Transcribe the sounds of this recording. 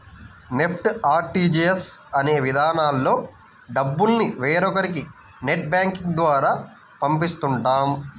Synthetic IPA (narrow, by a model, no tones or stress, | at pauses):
ne̞pʰʈaːɾʈiːd͡ʒiesɐne̞ːʋid̪ʱaːnaːlːo̞ː | ɖɐbːulniʋeːɾɔkɐɾiki | neʈ̚baːŋkiŋd̪ʋaːɾaː | pɐmpist̪uɳʈaːm